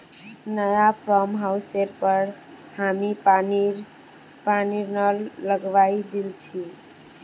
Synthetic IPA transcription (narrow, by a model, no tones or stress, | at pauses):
nəjapʰɾɔmɦawseɾpəɾ | hamipni | paniɾnəlləɡʋaid̪ilt͡ʃʰi